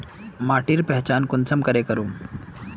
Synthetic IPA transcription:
maːʈiɾpɛɦt͡ʃaːnkʊnsəmkɐɾekɐɾoː

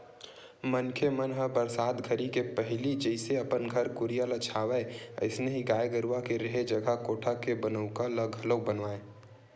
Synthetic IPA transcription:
mənkʰemənɦəbəɾsaːd̪ɡʱəɾikepəɦlid͡ʒəɪseɐpənɡʱəɾkʊɾijələt͡ʃʰaːʋɛə̰ɪsneɦiɡaːjɡəɾuakeɾeɦed͡ʒəɡʱakoːʈʰakebənəʊkaləɡəlobənʋaːẽ

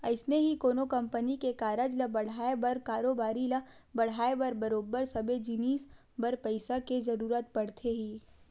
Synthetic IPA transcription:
ɐɪsneɦikoːnokɐ̃mpənikekaːɾəd͡ʒlɐbɐɽ̤aːebɐɾkaːɾoːbaːɾilɐbɐɽ̤aːebɐɾbɐɾoːbəɾsɐbed͡ʒiniːs | bɐɾpɐɪsakezɐɾuːɾət̪̚pɐɽt̪ʰeɦiː

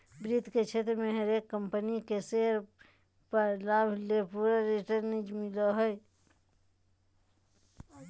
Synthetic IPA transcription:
bɾit̪ket͡ʃʰet̪ɾmeɦəɾekːəmpənikeseɾ | pəɾlabʱlepuɾaɾiʈəɾnid͡ʒmiləɦəj

